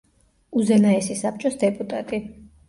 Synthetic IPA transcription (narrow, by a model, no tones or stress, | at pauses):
uzɛnaɛsisap̚ʰt͡ʃʼɔsd̪ɛpʼut̪ʼat̪ʼi